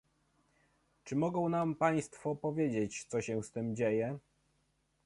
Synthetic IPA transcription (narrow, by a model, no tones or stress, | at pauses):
t͡ʂɘmɔɡɔ̃w̃nampaj̃st̪fɔpɔvʲjed͡ʑet͡ɕt̪sɔɕɛst̪ɘmd͡ʑejɛ